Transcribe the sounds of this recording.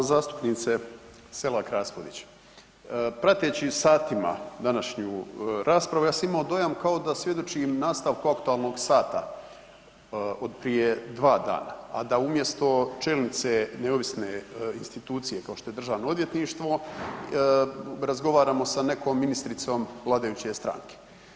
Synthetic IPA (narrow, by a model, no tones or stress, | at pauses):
zaːst̪u̥pniːt̪se | se̞lakɾaːspod̪it͡ɕ | pɾat̪et͡ɕisaːt̪ima̰d̪anaʃɲuɾʔaːspɾaʋujaːsamimaod̪o̞jamkao̞d̪asʋje̞d̪ot͡ʃimnaːst̪aʋkuakt̪uaːlˠno̞ɡsaːt̪a | od̪pɾije̞d̪ʋaːd̪a̰ːna̰a̰d̪aumje̞st̪o̞t͡ʃelnit̪seneoʋisneinst̪it̪uːt̪sije̞kao̞ʃt̪oje̞d̪r̩ʒaːʋnoo̞d̪ʋje̞t̪niʃt̪ʋo̞ | ɾazɡo̞ʋaːɾaːmo̞sane̞koːmːinist̪ɾit̪so̞ːmʋlˠaːd̪ajuːt͡ɕe̞st̪ɾa̰ŋke̥